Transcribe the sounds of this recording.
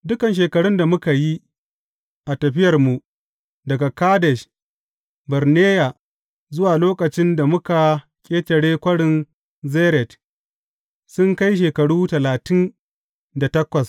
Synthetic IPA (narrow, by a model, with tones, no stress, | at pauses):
dʊ˦kɐ˨nʃ̬eː˨kɐ˨ɽʊ˦nda˨mʊ˦ka˨ji˦ | ʔa˨tɐ˨ɸɪ˦jɐ˨rmu˨ | dɐ˨ɡa˨kaː˦dɛ˨ʃ | bɐ˨rneː˦ja˨ | zʊ˦waː˨loː˦kɐ˨t͡ʃɪ˦nda˨mʊ˦ka˨ | kʲʼeː˦tɐ˨ɽeː˦kʷɐ˦ɽɪ˨n | zeː˦ɾɛ˨t | sʊ˦ŋka˦jʃ̬eː˨kɐ˨ɽuː˦tɐ˨laː˨tɪ˦n | da˨tɐ˦kʷɐ˨s